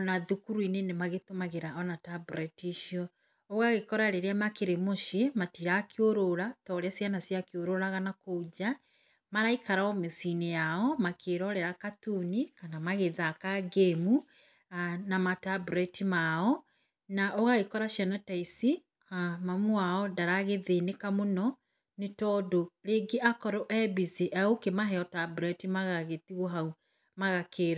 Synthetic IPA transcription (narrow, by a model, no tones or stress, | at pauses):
ɔnaðukuɾuinenemaɣetomaɣeɾaɔnatabuɾɛtiʃiɔ | oɣaɣekɔɾaɾeɾeamakeɾemoʃematiɾakeoɾoɾatɔɾasjanasjakeoɾoɾaɣanakoud͡ʑa | maɾaikaɾaɔmesinejaɔmakʰeɾɔɾɛɾakatunikanamaɣeðakaɡemu | namatabuɾɛtimaɔ | naʔɔɣaɣekɔɾaʃjɛnɔtaisi | mamwaɔdaɾaɣeðenekamonɔ | netɔdoɾeɡeʔakɔɾɔʔɛbisiʔaokemaɦɛɔtabuɾɛtimaɣaɣetiɣwɔɦau | maɣakʰeɾɔ